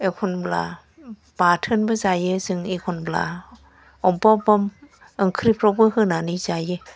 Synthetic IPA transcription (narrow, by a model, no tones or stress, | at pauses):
ʔekʰonbla̰ | paːtʰɯnbasajesɯŋekʰonbla̰ | ʔɔmpɔpɔm | ʔaŋkʰɾipʰɾɔbɯhɯnaːnit͡ɕaje